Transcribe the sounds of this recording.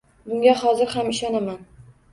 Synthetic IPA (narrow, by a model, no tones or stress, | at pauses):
bʊŋɡʲahɒzɪɾhamɪʃɒnaman